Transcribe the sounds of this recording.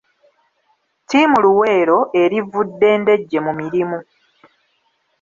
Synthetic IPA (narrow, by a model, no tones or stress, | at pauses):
timuluwe̞ːɾo̞ʔe̞ɾivudːe̞ːnde̞ɟːe̞mumiɾimu